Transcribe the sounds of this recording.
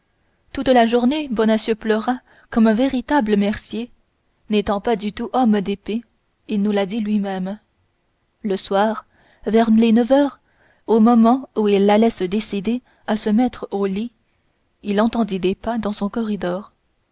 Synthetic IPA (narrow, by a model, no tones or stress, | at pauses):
t̪ut̪laʒuʁnebɔnasjøplœʁa | kɔmɛ̃veʁit̪abləmɛʁsje | net̪ɑ̃pad̪yt̪uʔɔmd̪epe | ilnulad̪ilɥimɛm | ləswaːʁ | vɛʁlenəvœːʁ | omɔmɑ̃uilːalɛsəd̪esid̪e | asəmɛt̪χoli | ilɑ̃t̪ɑ̃d̪id̪epad̪ɑ̃sɔ̃kɔʁid̪ɔːʁ